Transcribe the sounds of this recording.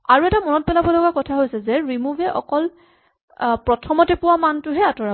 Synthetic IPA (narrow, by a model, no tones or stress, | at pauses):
aɹuɛtamɔnɔt̚pɛlabɔlɔɡakɔtʰaɦojsɛzɛɹimuvʱɛʔɔ̰kɔl | pɹɔtʰɔmɔtɛpʊwamantʊɦɛatɔɹa